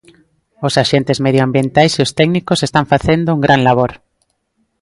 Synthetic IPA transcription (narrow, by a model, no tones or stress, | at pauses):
ʊsaʃent̪ɪzmeðjoambjent̪ajseʊst̪ɛɡnikʊsest̪aɱfaθend̪ʊuŋɡɾʔanlaβ̞oɾ